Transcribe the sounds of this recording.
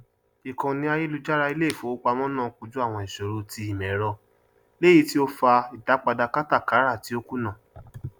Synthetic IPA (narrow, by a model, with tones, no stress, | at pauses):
i˨kã˧nĩ˦a˧je˦lu˧d͡ʒa˦ɾa˧i˧le˦i˦˨fo˨˦k͡pa˧mɔ̃˦nãː˦˨ku˧d͡ʒu˦a˦˨w̃ɔ̃˧i˨ʃo˨ɾo˨˧tʰi˧˦i˨mɛ̃˨˦ɾɔ˧ | le˦i˧˦ti˦o˧fa˧i˨ta˨˦k͡pa˧da˧ka˦ta˦˨ka˨˦ɾa˦˨ti˨˦o˧ku˦nã˦˨